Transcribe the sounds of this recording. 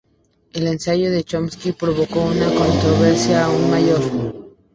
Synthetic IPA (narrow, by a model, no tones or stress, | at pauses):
e̞le̞nsaʝo̞ðe̞t͡ʃomskipɾo̞βo̞ko̞unako̞nt̪ɾo̞βe̞ɾsjaːunmaʝo̞ɾ